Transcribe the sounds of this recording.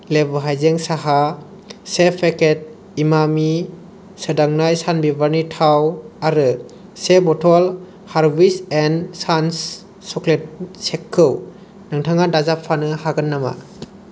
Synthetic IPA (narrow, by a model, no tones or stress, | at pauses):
lebɯɦajzeŋsaɦa | sepʰeket̚ | imami | sɯdaŋnajsanbibaɾnitʰawaɾɯ | sebɔtʰɔl | haɾbisensans | sɔklet̚sekʰːɯw | naŋtʰaŋadazapʰːanɯhaɡɯnːama̰